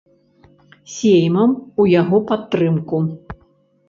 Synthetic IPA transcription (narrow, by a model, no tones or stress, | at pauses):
sʲejmɐmujaɣɔpat̪ːɾɨmku